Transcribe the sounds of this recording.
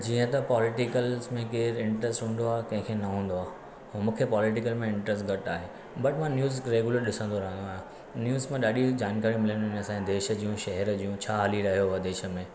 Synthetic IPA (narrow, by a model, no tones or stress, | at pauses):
d͡ʑiːə̃t̪ɐpɔːlɪʈɪkəlzmẽkeːɾɪ̃ɳʈɾesʈɦũːn̆d̪oaːɦkɐ̃ɦɪ̃kʰenɐɦũːnd̪oaː | mũːkʰepɔːlɪʈ̬ɪkəlmẽɪ̃ɳʈɾes̬ʈɡɐʈaːɦeː | bɐʈmãnjuːzɾeːɡuləɾɗɪsə̃nd̪oɾɐɦə̃nd̪oaːɦjũ | njuːzmẽɗaːɗid͡ʑaːnkaːɾĩmɪləñnsãd̪eːʃə̆d͡ʑiːũʃɐɦɛɾəd͡ʑijũt͡ɕʰaːɦɐliɾɐɦijoɦd̪eːʃə̆mẽː